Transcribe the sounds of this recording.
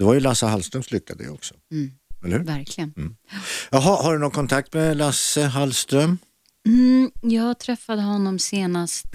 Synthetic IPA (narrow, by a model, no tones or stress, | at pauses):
d̪̥ɛvaɾjɵlasəɦalst̪ɾœmslʏkːad̪ə̰j̰ɔksɔ̥ɛləɾhʉ̟ɾvæɾkʰlɪɡənm̩ːjɑɦahaɖɵnɔkʰɔnt̪ʰak̚t̪mɛlasəɦalst̪ɾœm̩ | jɑːɡt̪ʰɾɛfːad̪əɦɔnːɔmseːnast̪